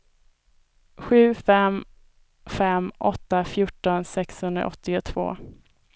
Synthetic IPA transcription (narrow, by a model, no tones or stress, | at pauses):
ɧʉ̟ːfɛm | fɛmʔɔ̰t̪ːafjʊʈːɔnsɛkshɵnd̪ɾa̰ɔt̪ːɪʊt̪ʰvo̰ː